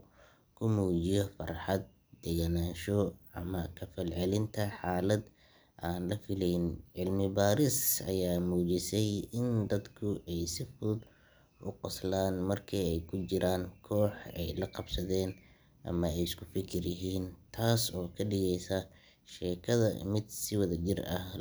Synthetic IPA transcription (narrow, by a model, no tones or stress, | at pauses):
kʰʊmuːt͡ʃɪjɔfɐrħɑd̪̚ | d̪ɛɣɐnaːʃɔɐmɐkʰɐfɐlʕɛlɪnt̪ʰɐħaːlɐd̪ | ʔaːnlɐfɪlɛjnʕɪlmɪbaːɾɪsɐ̰jaːmuːt͡ʃɪsɛjɪnd̪ɐd̪kʰʊʔɛjsɪfʊd̪ | ʔʊqʊslaːnmɐrkʰiːɛjkʰʊt͡ʃɪɾʔaːŋkʰɔːħɛ̰jlɐqɑbsɐðɛːn | ʔɐ̰mɐɛjɪskʰʊfɪkʰɪrjɪɦiːnt̪ʰaːsɔːkʰɐɖɪɣɛjsɐ | ʃɛːkʰɐðɐ̰mɪd̪sɪwɐðɐt͡ʃɪrɐh